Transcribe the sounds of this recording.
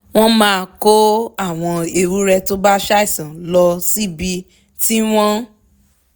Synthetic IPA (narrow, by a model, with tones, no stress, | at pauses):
w̃ɔ̃˦mãː˦˧ko˦a˦˨w̃ɔ̃˧e˧ɾu˦ɾɛ˧to˦ba˦ʃa˦i˦˨sã˨˦lɔ˧si˦bi˧ | ti˦w̃ɔ̃˦